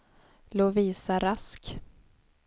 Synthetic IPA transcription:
loːviːsaɾask

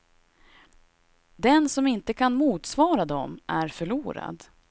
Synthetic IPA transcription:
d̪ɛnsɔmɪnt̪əkʰanmuːt̪svɑːɾad̪ɔ̰mʔæɾfœɭuːɾa̰d̪

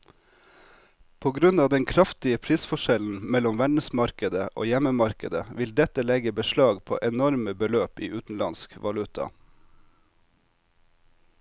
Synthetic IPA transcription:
pʰoːɡɾʉnɑːd̪ɛŋkʰɾɑft̪ɪəpʰɾiːsfɔʃɛln̩mɛlɔmʋæɖɳəsmɑɾkəd̪əʔo̰ːjɛməmɑɾkəd̪əʋɪld̪ɛt̪əlɛɡəbəʃlɑːɡpʰo̰ːʔɛnɔɾməbəløːpiːʔʉːt̪n̩lɑ̰nskʋɑlʉt̪ʰɑ̰

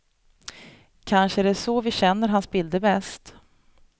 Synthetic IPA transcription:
kʰanʂəæɖɛsɔvɪɕɛnːəɾɦansbɪld̪əbɛst̪

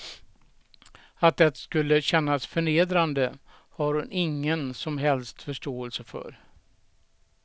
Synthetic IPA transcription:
at̪̚d̪ɛt̪skɵlːəɕɛnːasfœɳeːd̪ɾand̪ə | haɾhʊnʔɪŋːənsɔmɦɛlst̪fœʂʈoːɛlsəfœ̰ɾ

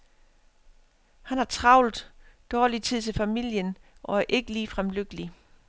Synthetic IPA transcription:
hænhɑ̈t͡sʰʁɑ̈ʊ̰lðˠd̥ɒːlit͡sʰið̰ˠt͡sʰe̝lfæmil̰jənʔɒ̽æɐʔe̝ɡ̥əliːfʁamløɡ̥əli

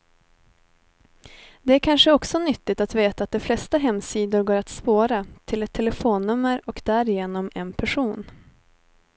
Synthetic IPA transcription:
d̪ɛæɾkʰanʂəɔksɔnʏt̪ːɪt̪at̪veːt̪aːt̪̚d̪ɛflɛst̪aɦɛmːsiːd̪ʊɾɡoːɾat̪spoːɾat̪ʰɪlɛt̪ʰːɛləfoːnːɵmːəɾɔkd̪̥æɾɪjeːnɔmɛnpʰæʂuːn

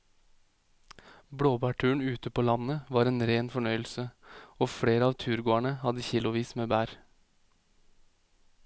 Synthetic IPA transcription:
bɽoːbæːʈʰʉːəɳ̩ʉːt̪əpʰoːlɑnəʋɑːɾeːnɾeːnfɔɳœʏl̩səoːfɽeːɾəɑːʋt̪ʰʉːɾɡoːæɳəhɑd̪əçɪlʊʋiːsmeːbæːɾ

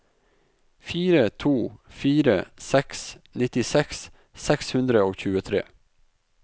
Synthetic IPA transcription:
fiːɾət̪ʰuːfiːɾəsɛksnɪt̪ɪsɛks | sɛkshʉnd̪ɾəoːçʉːət̪ʰɾḛː

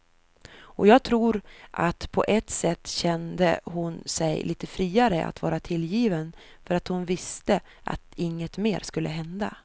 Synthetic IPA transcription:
ʔɔjɑːɡ̚t̪ʰɾuːɾʔat̪pʰɔ̰ʔɛt̪sɛt̪ːɕɛnd̪əhʊnsɛjliːt̪əfɾiːaɾəʔa̰t̪vɑːɾat̪ʰɪljiːvən | fœɾat̪hʊnvɪst̪ə | ʔa̰t̪ɪŋːət̪meːɾskɵlːʔəɦɛnd̪a̰

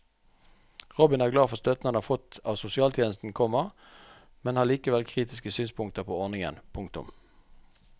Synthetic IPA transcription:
ʁɔbɪnæːʁɡlɑːfɔʁst̪œt̪nɑnɑfɔt̪ɑːʋsʊsɪɑːlt̪ʰjeːnəst̪n̩kʰɔməʁ | mɛnhɑːʁliːkəʋɛlkʰʁiːt̪ɪskəsyːnspʰʊŋkt̪əʁpʰoːɔʁnɪŋə̰npʰʊŋk̚t̪ʊ̰m

